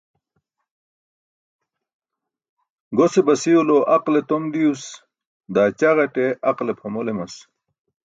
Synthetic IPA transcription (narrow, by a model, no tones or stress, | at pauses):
ɡosebɐsiuloʔɐqlet̪omd̪ius | d̪aːt͡ɕaʁɐʈeɐqlepʰɐmolemɐs